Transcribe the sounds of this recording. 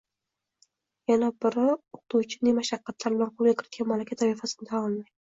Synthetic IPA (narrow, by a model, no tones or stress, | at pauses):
janabɪɾɪoq̚t̪uwt͡ʃʰɪ̥nemaʃɑqːɑt̪ʰlaɾbɪlanqʰolˠɡʲakʲʰɪɾɪt̪̚kʲanmalakʲʰat̪ʰavifasɪnɪd̪aɒlˠmaj